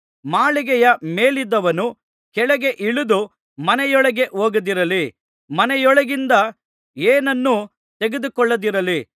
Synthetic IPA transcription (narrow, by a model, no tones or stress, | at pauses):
maːɭiɡɛjɐmeːlid̪ːɐʋɐnu | kɛɭɐɡe̞ʔiɭud̪u | mɐnɛjɔɭɐɡe̞ʔoːɡɐd̪iɾɐli | mɐnɛjɔɭɐɡind̪ɐ | eːnɐnːu | t̪eɡed̪ukɔɭːɐd̪iɾɐli